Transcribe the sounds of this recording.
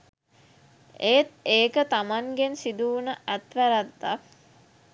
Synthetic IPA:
eːt̪eːkət̪amaŋɡensid̪uunəʔæt̪ʋæɾat̪ːak

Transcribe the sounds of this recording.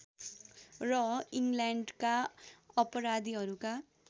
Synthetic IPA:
rʌiŋɡlaɳɖkaʌpʌɾad̪iɦʌɾuka

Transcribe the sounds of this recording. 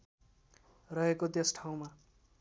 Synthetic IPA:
rʌɦekod̪esʈʰaw̃ma

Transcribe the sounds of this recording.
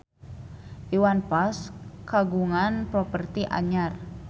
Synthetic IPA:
ʔiwanpaskaɡuŋanpɾopərt̪iʔa̰ɲar

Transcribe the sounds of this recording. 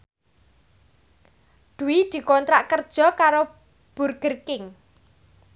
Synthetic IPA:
d̪̥uwid̪̥i̤kɔnt̪ɾaʔkərd̥ʒ̥ɔ̤kaɾo | b̥ṳrɡ̥ərkɪŋ

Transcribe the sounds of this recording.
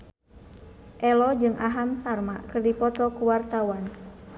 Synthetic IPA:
ʔɛlɔd͡ʒɨŋʔaɦamsarma̰kɨrdipɔt̪ɔkuwart̪awan

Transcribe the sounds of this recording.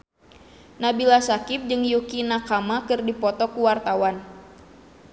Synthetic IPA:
nabilasakip̚d͡ʒɨŋjukinakamakɨrdipɔt̪ɔkuwart̪awan

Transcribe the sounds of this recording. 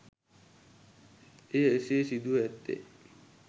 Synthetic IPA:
ejəeseːsid̪uæt̪ːḛ

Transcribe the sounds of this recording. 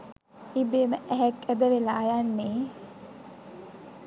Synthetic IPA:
ibeːməʔæɦɛkæd̪əʋelaːjanːeː

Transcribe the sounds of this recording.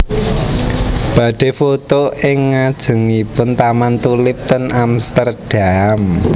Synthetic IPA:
b̥ä̤ɖ̥e̤fot̪oɪŋːad̥ʒ̥ə̤ŋipʊnt̪amant̪ulɪp̚t̪ənamst̪ərd̥am

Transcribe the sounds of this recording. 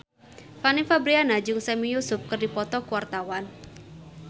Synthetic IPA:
fanɪŋfabɾianad͡ʒʊŋsɛmijusʊp̚kɨrdipɔt̪ɔkuwart̪awan

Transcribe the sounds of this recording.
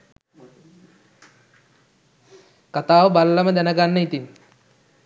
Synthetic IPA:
kat̪aːʋəbalːəməd̪ænəɡanːəit̪in

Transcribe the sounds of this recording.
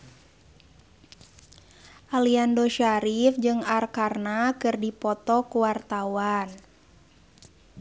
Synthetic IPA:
ʔaliandɔʃaɾifd͡ʒɨŋarkarnakɨrdipɔt̪ɔkuwart̪awan

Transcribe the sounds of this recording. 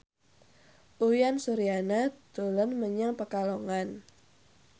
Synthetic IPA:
ʔujansuɾianat̪olənməɲaŋpəkaloŋan

